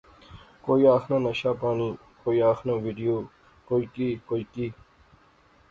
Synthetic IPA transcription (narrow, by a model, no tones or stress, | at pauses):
koːiaːxnãːnɐɕaːpaːniː | koːiaːxnãːʋiɖijoː | koːikiːkoːikiː